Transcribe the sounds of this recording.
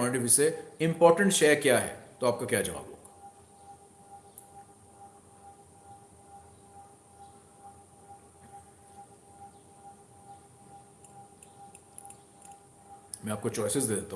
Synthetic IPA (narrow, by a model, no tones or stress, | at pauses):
ɔnɪʈibiseɪ̃mpɔːɾʈə̃ɳʈʃɛːkjaɦɛ̰t̪oaːp̚kakjaːd͡ʒɐʋa̰ːbɦo̰ːɡa | mɛ̃aːp̚kot͡ʃɔːɪsɪzd̪eːd̪eːt̪aɦ